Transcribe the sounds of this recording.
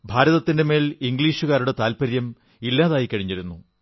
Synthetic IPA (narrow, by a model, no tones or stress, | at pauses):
bʱaːɾɐðɐt̪ːinde̞me̞ːliŋɡliːʂuɣaːɾuɽe̞t̪aːlpɐɾjɐm | ilːaːðaːjikːɐɻiɲːiɾunːu